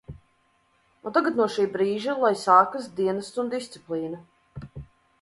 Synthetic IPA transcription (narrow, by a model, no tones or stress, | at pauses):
unt̪aɡat̪nuɔʃiːbɾiːʒalˠajsaːkasd̪iɛnast̪und̪ist̪siplˠiːnɐ